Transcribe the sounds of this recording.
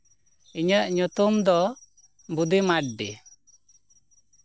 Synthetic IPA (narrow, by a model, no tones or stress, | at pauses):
iɲəʔɲut̪umd̪ɔ | bud̪imaʈ̚ɖḭ